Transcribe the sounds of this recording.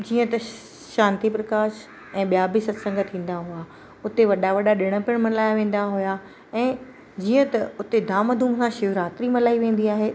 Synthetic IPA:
d͡ʑiːə̃t̪ɐ | ʃãːnt̪ipɾɐkaːʃ | ɛ̃ːɓijabisɐt̪sɐ̃ŋɡət̪ʰːĩːn̆d̪aɦʊa | ʊt̪eʋɐɗaʋɐɗaɗɪɽ̃ə̆pɪəɽ̃mɐlaːjaʋẽːn̆d̪aɦʊja | ɛ̃ː | d͡ʑiːə̃t̪ɐʊt̪ed̪aːməd̪ʱuːmsãʃɪʋɾaːt̪ɾimɐlaːiʋẽːn̆d̪iaːɦeː

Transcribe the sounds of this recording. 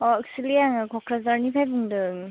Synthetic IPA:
ɔksilijaŋɯkʰɔkʰɾazaɾnipʰajbɯŋdɯŋ

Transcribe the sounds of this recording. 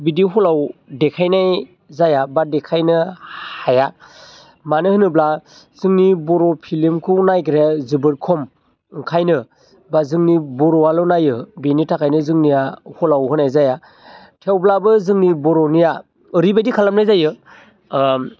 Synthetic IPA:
bidiɦɔlawdekʰajnaj | zajabadekʰajnɯhaja | manɯhɯnɯbla | z̥ɯŋnibɔɾɔpʰilimkʰɯwnajkɾezɯbɯɾkʰɔm | ŋkʰajnɯ | bazɯŋnibɔɾɔalɔwnajɯbenitʰakʰajnɯzɯŋnijahɔlawɦɯnajzaja | tʰewblabɯzɯŋnibɔɾɔnijaː | ɾibadikʰalamnajzajɯ

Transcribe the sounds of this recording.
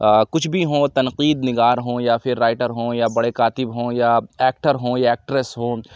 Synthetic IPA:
kʊt͡ʃʰbʱiɦõːt̪ɐnqiːd̪nɪɡaːɾɦõːjapʰɪɾːaːɪʈəɾɦõːjabɐɽekaːt̪ɪbɦõːjaɛːk̚ʈəɾɦõːjaɛːk̚ʈɾesɦõː

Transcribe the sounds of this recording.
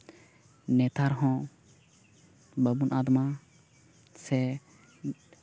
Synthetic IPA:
net̪ʰaɾɦɔ̃ | bɐbunaːd̪mã | se

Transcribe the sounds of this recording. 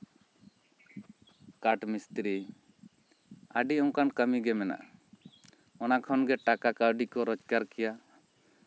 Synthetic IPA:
kaʈmist̪ɾi | əɖiɔ̃ŋ̃kankəmiɡɛmɛna̰ʔ | ɔnakʰɔnɡɛʈakakaəɖikɔɾɔd͡ʒkaɾkɛja

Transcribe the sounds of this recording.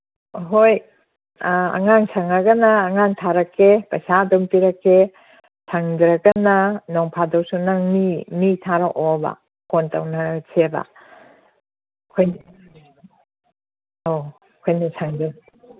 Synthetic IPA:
ɦoj | ɐ̰ŋaŋsʰaŋɐɡɐnɐːŋaŋtʰaɾɐkʰːepɐjsadompiɾɐkːe | sʰaŋdɾɐɡɐnɐnoŋpʰadɐwsunaŋmimitʰaɾaʔobɐ̰ | konta̰wnɐsebɐ̰ | kʰojn | o | kʰojnɐsʰaŋdɯn

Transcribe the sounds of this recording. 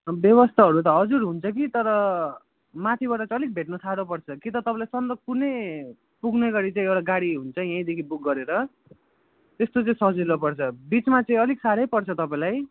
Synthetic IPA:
bjʌβʌst̪ʰaɦʌɾut̪ʌɦʌd͡zuɾɦunt͡sʰʌk̬it̪ʌɾʌ | mat̪ʰiβaʈʌt͡sãʌlik̚bʱeʈnʌsʰaɽopʌrt͡sʰʌkit̪ʌt̪ʌpãlajsʌnd̪ʌɡ̚pune | puɡneɡʌɾit͡saĩewʈaɡaɽiɦunt͡sʰʌjãĩd̪ekʰibuk̚ɡʌɾeɾʌ | t̪est̪ot͡saĩsʌɦd͡zilopʌrt͡sʰʌbit͡smat͡saĩʌliksaɾʌjpʌrt͡sʰʌt̪ʌpãĩlaj

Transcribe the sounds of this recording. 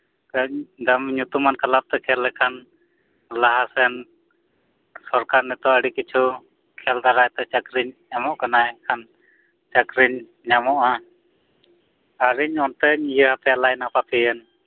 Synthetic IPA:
kəɲd̪amɲut̪umankalap̚t̪ɛkʰɛlːɛkʰan | laɦasɛn | sɔɾkaɾnɛt̪ɔəɽikit͡ʃʰu | kʰɛld̪aɾajt̪ɛt͡ʃəkɾiɲːamɔʔkanajkʰan | t͡ʃəkɾiɲ | ɲamɔʔa | aɾiɲɔnt̪ɛɲjəhapɛjalajnapapɛɛn

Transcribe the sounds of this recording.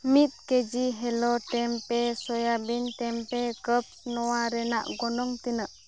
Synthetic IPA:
mit̪̚ked͡ʒiɦɛlɔʈɛmpɛsɔjabinʈɛmpɛkəp̚snɔwaɾɛna̰ʔɡɔnɔŋt̪inəʔ

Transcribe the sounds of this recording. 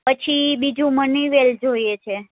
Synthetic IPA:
pət͡ʃʰibid͡ʒũməniʋeld͡ʒoiet͡ʃʰe

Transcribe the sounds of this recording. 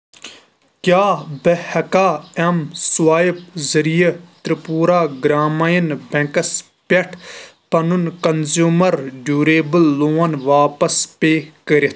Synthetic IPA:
kjaːbɐhɐkaːɐmsuwaːjipzɐɾijɐt̪ɾipuːɾaːɡɾaːmɐjinbẽkɐs | peʈʰpɐnunkɐnzjuːmɐɾɖuːɾeːbəlːoːɐnʋaːpɐspeːkəɾet̪ʰ

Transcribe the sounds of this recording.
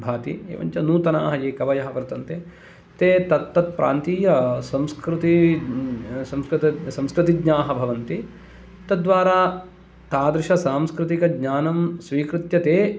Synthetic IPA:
bʱaːt̪ḭḛːʋɐ̰ɲt͡ʃɐnuːt̪ɐnaːɦɐjeːkɐʋɐjɐɦɐpɐɾɐt̪ɐnt̪e | t̪eːt̪ɐt̪ːɐt̪̚pɾʔa̰ːnt̪iːjɐsɐ̃mskɾɪt̪i | sɐmskɾt̪ɐsɐ̃mskɾɪt̪iɡɲaːɦɐbʱɐʋɐnt̪i | t̪ɐd̪ʋaːɾaː | t̪aːd̪ɾɪʃɐsaːmskɾɪt̪ikɐɡɲaːnɐmsʋiːkɾɪt̪jɐt̪eː

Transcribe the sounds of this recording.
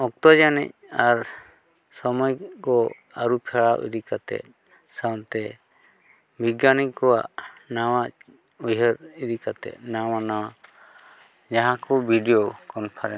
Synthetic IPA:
ɔk̚t̪ɔd͡ʒanɛc̚aɾ | sɔmɔjkɔ | aɾupʰɛɭawʔḭd̪ikat̪ɛ̰ | sawt̪ɛ | bʱiɡanikɔwa̰ʔnawa | ujɦəɾid̪ikat̪ɛ̰nawanawa | d͡ʒaɦãkɔbʱiɖijɔkɔnpʰaɾɛ

